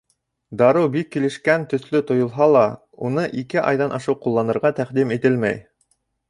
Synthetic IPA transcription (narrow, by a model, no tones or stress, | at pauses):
d̪ɑɾɤwbikːilɘ̆ʃkænt̪ɵ̆θlɵt̪ŏjŏlˠɦɑlˠɑ | unɤʔikɘʔɑ̰jðɑnʔɑʃɤwqulˠːɑnɤ̆ɾʁɑt̪æqd̪imit̪ɘlmæ̰j